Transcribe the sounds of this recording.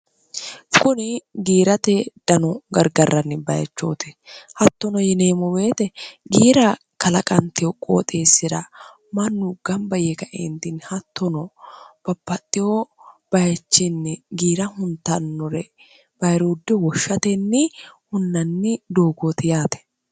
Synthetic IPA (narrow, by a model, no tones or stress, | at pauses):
kʊnɪɡiːɾɐt̪ɛd̪̥ɐnɔɡɐɾɡɐrːɐnːɪbɐjɐ̰t͡ʃːo̰ːt̪ɪhɐt̪ːɔnɔjɛneːmɔbe̞ːt̪ɛɡiːɾɐ | kɐlɐkʼɐnt̪ɪjɔkʼo̰ːt̪ʼeːsːɪɾɐ | mɐnːʊɡ̥ɐmbɐjekɐʔent̪ɪnhɐt̪ːɔnɔb̥ɐpːɐt̪ʼːɪjɔb̥ɐjɐt͡ʃːɪnːɪɡiːɾɐhʊnt̪ːɐnːɔɾɛ | b̥ɐjɾuːd̪ːɛwɔʃːɐt̪ɛnːɪhʊnːɐnːɪd̪oːɡot̪ɪjaːt̪ɛ̥